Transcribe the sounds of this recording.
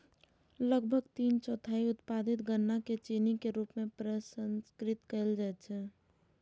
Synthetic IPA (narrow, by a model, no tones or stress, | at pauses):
ləɡ̚bʱəɡt̪iːnt͡ʃɔːt̪ʰaːiʊt̪pad̪ɪt̪ɡənːaket͡ʃiːnikeɾuːpmẽpɾəsənskɾɪt̪kəld͡ʒaɛt̪t͡ʃʰɛ